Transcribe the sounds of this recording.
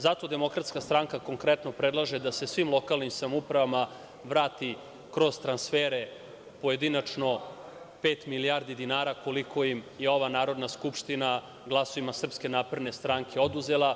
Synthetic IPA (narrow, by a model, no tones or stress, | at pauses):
zat̪o̞d̪e̞mo̞kɾat̪skast̪ɾaŋkakoŋkɾɛt̪no̞pɾed̪lˠaʒed̪ase̞sʋimlˠo̞kalˠnimsamupɾaʋama | ʋɾaːt̪i | kɾo̞zt̪ɾansfeːɾe̞ | po̞jed̪inat͡ʂno̞ | peːt̪milijaːɾd̪id̪inaːɾakoliko̞imjeo̞ʋanaːɾo̞d̪naskupʂt̪ina | ɡlˠaso̞ʋimasr̩pske̞naːpɾed̪ne̞st̪ɾaŋkʰe̞o̞d̪uze̞lˠa